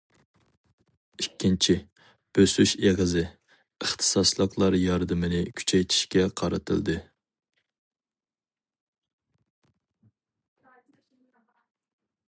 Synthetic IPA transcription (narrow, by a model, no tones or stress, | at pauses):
ikʲʰːint͡ʃʰi | b̥øsyʃeʁəzɪ | əχt̪ʰɨ̥sɑslˠəqʰlˠɑɾjɑɾd̪ɨmɪnɪkʲʰy̥t͡ʃʰɛjt̪ʰi̥ʃkʲɛqʰɑɾɨ̰t̪ʰɨ̰lˠd̪ɨ